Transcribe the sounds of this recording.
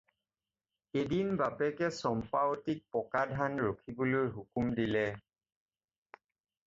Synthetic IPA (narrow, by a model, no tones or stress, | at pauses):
edinbapɛkɛsɔmpaotik̚pɔkadʱanɹokʰibolojɦukumdilɛ